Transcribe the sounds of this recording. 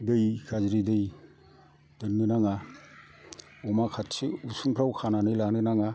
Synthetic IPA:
dɯjkʰazɾidɯj | d̥ɯnːɯnaŋa | ɔmakʰatsiusuŋpʰɾawkʰananɯjlanɯnaŋa

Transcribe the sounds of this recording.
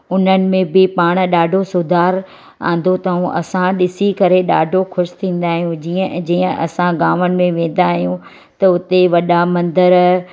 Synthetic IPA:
ʊn̤ənɪ̆mẽbɪpaːɽ̃ɗaːɖʱosʊd̪ʱaːɾ | ã̰ːn̆d̪ot̪ɐũʔɐ̰sãɗɪsikɐɾeɗa̰ːɖʱoxʊʃt̪ʰĩːn̆d̪aːɦijũd͡ʑiːə̃d͡ʑiːə̃ʔɐ̰sãɡaːʋənɪ̆mẽʋẽːn̆d̪aːɦijũ | t̪ɐʊt̪eʋɐɗamɐ̃nd̪əɾ

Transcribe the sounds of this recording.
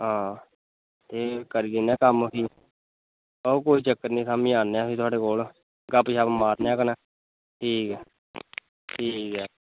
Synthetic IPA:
ɦãː | t̪eːkəɾiːd̪ɪnɛːkəmpʰiː | oːkoːiːt͡ʃəkːət̪nĩːsaːmĩːaːneaːpiːt̪ʊaːɽeːkoːl | ɡəpʃaːpmaːɾneaːkənaː | ʈʰiːkɛː | ʈʰiːkɛː

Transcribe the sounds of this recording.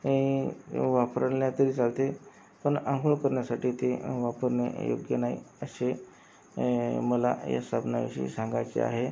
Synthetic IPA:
e | ʋapɾnjat̪əɾiːt͡salt̪e | pəɳãŋɡəɭkəɾɳjasaʈiːt̪eʋapəɾnḛjo̰ɡjənai | ə̰ɕe | məla̰ja̰st̪ʰabna̰ʋḭɕḭːsãŋɡajt͡ɕḛa̰ɦe

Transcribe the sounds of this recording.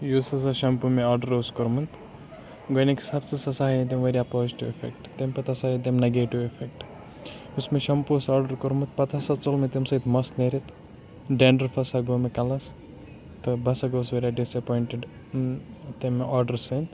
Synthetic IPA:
jusɐsɐʃɐmpumeaːɾɖɐɾoskoɾmɨnt̪ | ɡoniksɐbt͡sɨsɐsaːɦid̪emʋeɾiɐpoːziʈiʋefḛk̚ʈt̪empɐt̪ʰasaid̪emneɡeːʈiʋefek̚ʈ | usmeʃɐmpusaːɾɖɐɾkoɾmɨt̪̚pɐt̪ʰasɐt͡solmet̪emsɐit̪ʰmɐsneɾit̪ʰ | ɖeːɳɖɐɾfʰɐsɐɡoːmekɐlɐs | t̪ɨbɐsɐɡoːs̬ʋeɾaɖisɐpɔjɳʈeɖ | t̪emʔaːɾɖɐɾsɐnt̪

